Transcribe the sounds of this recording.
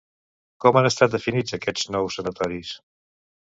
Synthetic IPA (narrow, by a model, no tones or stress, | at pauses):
kɔmanəst̪at̪̚d̪əfinid͡zəkɛznɔwsːənət̪ɔɾis